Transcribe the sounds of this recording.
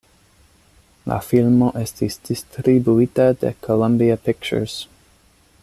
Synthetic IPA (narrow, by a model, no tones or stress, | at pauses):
lʔa̰filmoʔest̪isd̪̥ist̪ɾibuit̪ad̪ḛkʰolãmbiapik̚t͡ʃə̰ɹs